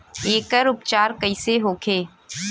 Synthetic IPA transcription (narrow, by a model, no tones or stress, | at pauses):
eːkəɾʊpt͡ʃaːɾkəiseɦoːkʰeː